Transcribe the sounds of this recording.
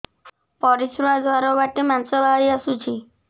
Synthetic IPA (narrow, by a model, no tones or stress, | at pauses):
pɔɾisɾad̪waɾɔbaʈimansɔbʱaɾiasut͡ʃʰi